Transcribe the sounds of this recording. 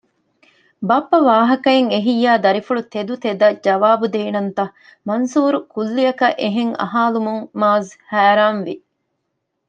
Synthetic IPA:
bɐpːɐʋaːɦɐkɐeŋeɦijːaːd̪ɐɾifuɭut̪ed̪ut̪ed̪ɐd͡ʒɐʋaːbud̪eːnɐnt̪ɐh | mɐnsuːɾukulːiɐkɐʔeɦeŋɐ̰ɦaːlumuŋmaːzhæːɾaːnʋi

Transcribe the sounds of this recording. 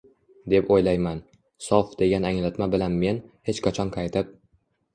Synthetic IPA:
d̪e̞pojlajman | sɒfd̪̥e̞ɡʲanaŋlat̪mabɪlanme̞nhe̞t͡ʃkʰat͡ʃʰɒnkʰajt̪ʰɪp̚

